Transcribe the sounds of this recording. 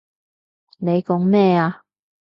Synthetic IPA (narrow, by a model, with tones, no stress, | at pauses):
ne˨˧jkɔ˨˥ŋmɛː˥˧aː˧